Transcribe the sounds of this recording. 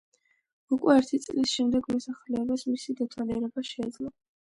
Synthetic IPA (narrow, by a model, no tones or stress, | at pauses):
ukʼwɛɛɾt̪ʰit̪sʼlisʃɛmd̪ɛɡmɔsaχlɛːbasmisid̪at̪ʰwaliɛɾɛbaʃɛːd̪zlˠɔ